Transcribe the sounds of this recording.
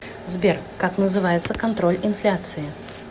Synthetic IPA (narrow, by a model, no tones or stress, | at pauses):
zbʲerkaknəzɨvajɪt̪səkɐnt̪ɾo̞lʲɪnflʲat̪sɨɪ